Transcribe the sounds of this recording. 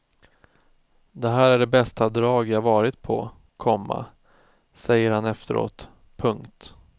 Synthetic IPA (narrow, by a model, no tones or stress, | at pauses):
d̪ɛɦæːɾæɖɛbɛst̪ad̪ɾɑːɡjahavɑːɾɪt̪pʰɔ̰ | kʰɔmːa̰ | sɛjːəɾhanɛft̪əɾo̰ːt̪ | pʰɵŋkt̪